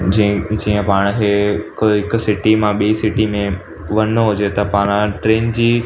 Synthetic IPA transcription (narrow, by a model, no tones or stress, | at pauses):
d͡ʑd͡ʑiːə̃paːɽ̃ɦekɦɪkʊ̆sɪʈimãɓiisɪʈimẽ | ʋɐnoɦʊd͡ʑet̪ɐpaːɽ̃ʈɾeːnd͡ʑiː